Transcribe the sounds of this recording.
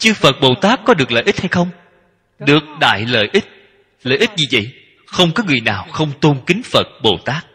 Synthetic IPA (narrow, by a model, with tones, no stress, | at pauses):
t͡ɕɨ˧fə˨˩t̚ɓo˨˩t̪aː˦˥kːɔ˨˦ɗɨ˨˩ək̚lə̰ː˧˨ʔi˦˥t̚ha˧jxə˧wŋ͡m | ɗɨ˨˩ək̚ɗa̰ː˧˨jlə̰ː˧˨jʔi˦˥t̚ | lə̰ː˧˨jʔi˦˥t̚zi˨˩və̰˧˨j | xə˧wŋ͡mkɔ˨˦ŋɨ˨˩əjnaː˨˩wxə˧wŋ͡mt̪o˧nkï˨˦ŋ̟fə˨˩t̚ɓo˨˩t̪aː˦˥k̚